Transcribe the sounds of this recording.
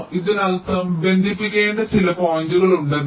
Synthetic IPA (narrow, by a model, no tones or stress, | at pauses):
iðɨnɐlt̪ɐmbe̞nd̪ʱip̬ːikʲːeːɳɖɐt͡ɕilɐpoːɲd͡ʑuɣɐɭuɳɖen